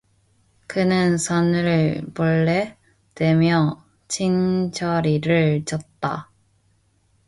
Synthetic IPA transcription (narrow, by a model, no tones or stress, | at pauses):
kɯnɯnsʰʌnɯɭpʌɭːe | twe̞mjʌ | t͡ɕʰind͡ʑʰʌɾiɾɯɭt͡ɕʌt̚t͈a̰